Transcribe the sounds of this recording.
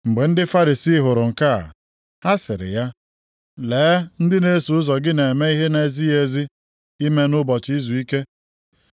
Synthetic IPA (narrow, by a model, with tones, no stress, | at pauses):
ŋ͡m̩˨ɡ͡be˨n̩˦dɪ˦fa˦ɾi˨si˦ɦʊ˨ɾʊ˨ŋ̩˨ka̰˦˨ | ha˦sɪ̰˨ɾɪ̰˨ja˦ | leː˨˦n̩˦dɪ˦ne˦su˨ʊ˦zɔ˨ɡɪ˦ne˨me˦i˦ɦe˦ne˨zi˦e˨zi˦ | i˦me˦nʊ˦bɔ˨t͡ʃi˦zu˨i˦ke˦